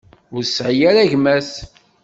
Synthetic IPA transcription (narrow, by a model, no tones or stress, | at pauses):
ʊɾsʕjaɾæʝmæs